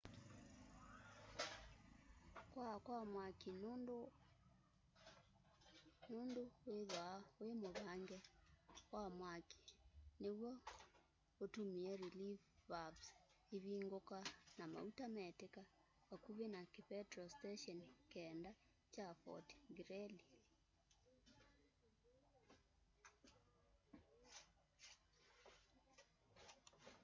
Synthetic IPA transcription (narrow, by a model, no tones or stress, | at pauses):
kwakwamwakino | noːndoweðwawemoβaŋɡɛwamwaki̥newɔ | otomiɛɾilifːabs | iβiːŋɡokanama̰utamɛteka | wakuβenakepɛtɾɔsteʃɔnkɛːnda | t͡ʃafɔ̰tɡɾɛli